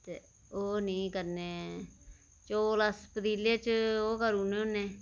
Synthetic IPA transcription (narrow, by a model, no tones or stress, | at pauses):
t̪e | oːniĩːkəɾneː | t͡ʃoːlaspəd̪iːleːt͡ʃoːkəɾuːnẽːonːẽː